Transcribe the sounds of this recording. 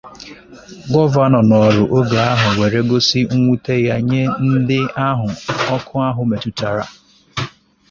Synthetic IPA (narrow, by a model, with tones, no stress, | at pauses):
ɡɔ˦va˦nɔ˨nɔ˨ɾʊ˨ʔo˦ɡa˨a˦ɦʊ˨we˨ɾe˦ɡo˦si˦ŋ̩˦ŋʷu˦te˦ja˦ɲe˦n̩˦dɪ˦a˦ɦʊ˨ɔ˦kʰʊ˦a˦ɦʊ˨me˨tu˦ta˨ɾa̰˨